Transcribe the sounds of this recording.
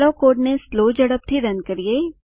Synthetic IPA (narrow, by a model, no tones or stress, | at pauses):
ɾokoːʈnesloːd͡ʒɐɽəp̚t̪ʰiɾɐ̃nkɐɾieː